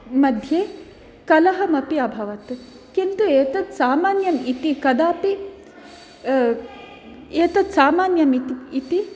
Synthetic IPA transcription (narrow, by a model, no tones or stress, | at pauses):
mɐd̪ʱjeː | kɐlɐɦɐmɐpiɐbʱɐʋɐt̪ | kint̪ueːt̪ɐt̪saːmaːnjɐmit̪ikɐd̪aːpi | eːt̪ɐt̪saːmaːnjɐmit̪iit̪i